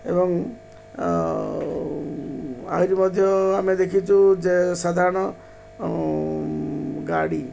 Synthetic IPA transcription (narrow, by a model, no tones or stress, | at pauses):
ebɔŋ | a̰ɦiɾimɔd̪ʱjɔamed̪ekʰit͡ʃʰud͡ʒesad̪ʱaɾɔɽ̃ɔ | ɡaɽi